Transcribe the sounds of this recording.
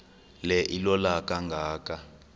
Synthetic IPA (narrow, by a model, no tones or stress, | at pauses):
lɛʔilɔlakʼaŋɡʱaːkʼa